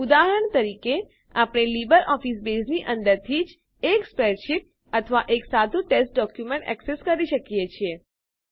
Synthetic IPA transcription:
ud̪aɦəəɾəɳt̪əɾike | apɽ̃elibəɾʔɔfisbesniʔənd̪əɾt̪ʰid͡ʒ | ekspɾɛʃip̚ | ət̪ʰəʋaʔeksad̪ʱũʈesʈ̚ɖɔkjumeɳʈɛ̰kseskəɾiʃəkjet͡ʃʰie

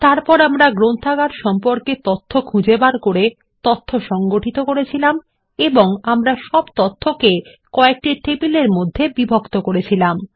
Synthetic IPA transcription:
t̪aɾpɔɾamɾaɡɾont̪ʰaɡaɾʃɔmpoɾket̪ot̪ʰːokʰũd͡ʑebaɾkoɾe | t̪ot̪ʰːoʃɔŋɡoʈit̪okoɾet͡ɕʰilam | eboŋamɾaʃɔbt̪ot̪ʰːoke | kɔek̚ʈiʈebileɾmod̪ʱːebibʱokt̪okoɾet͡ɕʰilam

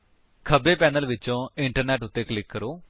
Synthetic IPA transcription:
kʰəbeːpɛːnəlʋɪt͡ʃõːɪɳʈəɾnɛːʈʊt̪ːeːkəlɪkːəɾoː

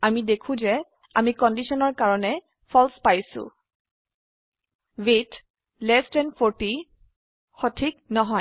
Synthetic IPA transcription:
amidekʰũzɛ | amikɔndisɔnɔɹkaɹɔnɛ | pʰɔlspajsʊ̰̃ | wet | lɛstɛnpʰoɹti | xotʰiknɔɦɔj

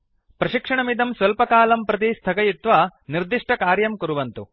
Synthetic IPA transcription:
pɾɐʃikʂɐɳɐmid̪ɐmsʋɐlpɐkaːlɐmpɾɐt̪̬ist̪ʰɐkɐjit̪ʋɐniɾd̪iʂʈʰɐkaːɾjɐmkuɾuʋɐnt̪u

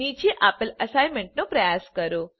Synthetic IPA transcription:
it͡ɕiʔapələsajmeɳʈ̚nopɾəjaskəɾo

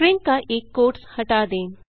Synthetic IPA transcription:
ɾɪ̃ŋkaʔeːkːoːʈshɐʈaːd̪ẽːŋ

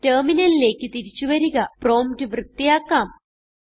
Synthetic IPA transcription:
teːminɐnile̞ːkːɨt̪iɾit͡ɕːuʋɐɾiɣɐpro̞ːmtɨʋrɨt̪ːijaːkːaːm

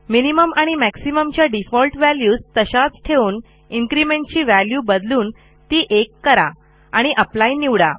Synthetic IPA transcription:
miniməmaɽ̃imæksiməmt͡ɕjaɖifɔlʈʋæljuːst̪əɕat͡sʈʰeuːn | iŋkɾimeɳʈ̚t͡ɕiːʋæljuːbəd̪luːn | t̪iːʔekːəɾa̰ | aɽ̃iʔəplajniʋɽa̰

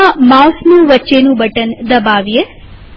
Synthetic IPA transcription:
amawsnũːʋətːʃenũːbʱəʈənd̪ɐbaːʋje

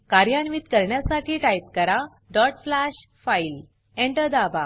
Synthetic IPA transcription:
kaɾjaɳʋiːt̪kəɾɳjasaʈʰiːʈajit̪kəɾa | ɖɔʈflaɕ | fail | ẽɳʈəd̪aba

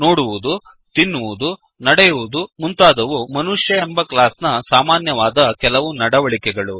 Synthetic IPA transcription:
noːɽuʋud̪u | t̪inːuʋud̪u | nɐɽɛjuʋud̪umunt̪aːd̪ɐʋumɐnuʂjɐembɐklaːsnɐsaːmaːnjɐʋaːd̪ɐkɛlɐʋunɐɽɐʋɐɭikɛɡɐɭu

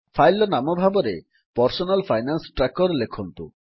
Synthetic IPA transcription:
fʰajlɔnamobʱabɔɾe | pɔɾsonalfʰajnansʈɾakɔɾlekʰont̪ṵ

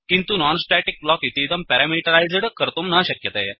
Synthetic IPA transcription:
kint̪unɔnsʈɛʈik̚blɔkit̪id̪əmpɛɾamilʈəɾajd͡zɽkəɾt̪omnaɕəkjət̪ajɛ

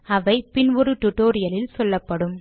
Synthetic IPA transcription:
ɐʋɐɪpɪnʋɔɾɯʈʊʈːoːɾɪjɐlɪlsɔlːɐpːɐɽɯm

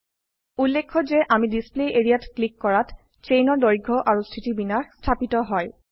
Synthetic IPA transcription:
ulːekʰːɔzeʔamidispleeɹiatklikːɔɹat | t͡ʃejnɔɹdɔɹɡʱɔʔaɹustʰitibinaxstʰapitɔɦɔj

